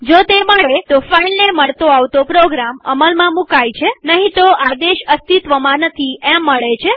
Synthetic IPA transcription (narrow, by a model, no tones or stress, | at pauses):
d͡ʒot̪eməɭet̪ofailneməɭt̪oaʋt̪opɾoɡɾaməməlmãmukajt͡ʃʰenəɦĩt̪oad̪eʃəst̪it̪ʋəmãnət̪ʰiɛ̃mːəɭet͡ʃʰe